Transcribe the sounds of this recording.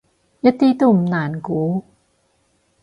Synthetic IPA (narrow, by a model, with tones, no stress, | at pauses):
ja˦˥t̪i˦t̪u˨˩mnaː˨˩˦nkuː˨˦